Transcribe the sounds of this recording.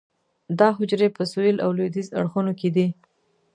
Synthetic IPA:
d̪ɑɦʊd͡ʒɾepəsoilʔa̰wlod̪iza̰ɽxunoked̪i

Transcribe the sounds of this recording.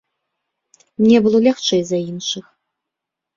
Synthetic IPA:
mnʲɛbɨlˠɔlʲaxt͡ʂɛjzainʂɨx

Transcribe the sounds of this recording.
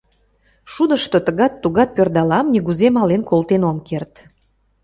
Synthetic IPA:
ʃud̪əʃt̪ot̪əɣɑt̪ːuɣɑt̪̚pørd̪ɑlɑmnʲiɣuzemɑlenkolt̪enomkert̪

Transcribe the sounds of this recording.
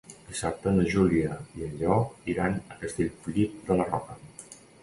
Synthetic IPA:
d̪isap̚t̪ənəʒuliəiəʎɔiɾanəkəst̪eʎflit̪̚d̪ələrɔkə

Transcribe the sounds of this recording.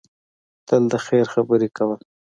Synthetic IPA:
t̪əld̪əxeɾxabəɾekawəl

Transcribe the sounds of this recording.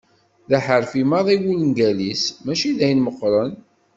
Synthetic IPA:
ðæħəɾfimɑðˤiwilənɡælismæʃiðæjənməqːɾˤən

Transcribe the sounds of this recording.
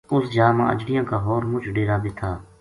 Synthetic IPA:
ʊsd͡ʒaːmã̰ːə̰d͡ʒɽɪjãːkaːɦoːɾmʊt͡ʃʰɖeːɾaːbeːt̪ʰaː

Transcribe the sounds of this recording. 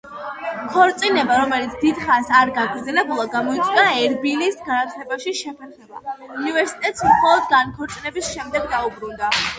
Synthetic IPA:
kʰɔɾt̪sʼinɛbaɾɔmɛlit̪sʰd̪id̪χasaɾɡaɡɾd̪zɛlɛbulˠaɡamɔit̪sʼwiaɛɾbilisɡanat̪ʰlɛbaʃiʃɛpʰɛɾχɛba̰univɛɾsi̥t̪ʼɛt̪ʼsmχɔlˠɔd̪ɡankʰɔɾt̪sʼinɛbisʃɛmd̪ɛɡd̪aubɾund̪a

